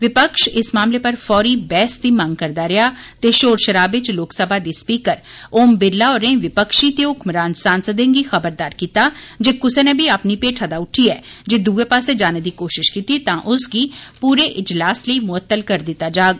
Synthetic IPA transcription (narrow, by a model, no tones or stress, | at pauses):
ʋɪpəkʃɪsmaːmleːpəɾfʰɔːɾiːbɛːsd̪iːmãŋɡkəɾd̪aɾɛɦaːt̪eːʃoːɾʃəɾaːbɪt͡ʃloːksəbʱaːd̪iːspiːkəɾ | oːmbɪɾlaːɔːɾẽːʋɪpəkʃiːt̪eʊkmɾaːnsaːnsəd̪ẽŋɡiːxəbəɾd̪aːɾkiːt̪aːd͡ʒeːkʊsenebʱiəpnipeːʈʰəd̪aːʊʈʰiːɛːd͡ʒeːd̪uːepaːsed͡ʒaːned̪iːkoːʃɪʃkiːt̪it̪ãːʔʊsɡiːpuːɾeːʔɪd͡ʒlaːsləimʊət̪ːəlkəɾd̪ɪt̪ːaːd͡ʒaːɡ